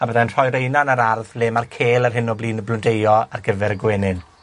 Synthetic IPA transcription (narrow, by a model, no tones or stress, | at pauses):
abəðɛnr̥ɔjɾejnanaɾarðleːmarkʰeːlˠarɦɪnɔbliːnəblʊndejɔarɡəvɛɾəɡwɛːnɪn